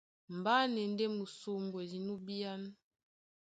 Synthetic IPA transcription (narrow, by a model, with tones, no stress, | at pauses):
m˨ba˦nɛ˨n˦dɛ˦mu˨su˦mbwe˨zi˨nu˦bi˦a˦n˦